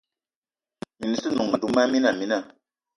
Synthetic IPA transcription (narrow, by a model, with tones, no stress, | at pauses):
mi˨ni˨sɨ˦nu˨ŋma˨du˨˦ma˦mi˦na˨mi˨na˦˨